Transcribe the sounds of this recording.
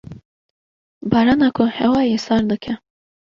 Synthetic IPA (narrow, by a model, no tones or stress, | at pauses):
bɑːɾɑːnɑːkʰʊhɛwɑːjesɑːɾd̪ɨkʲʰɛ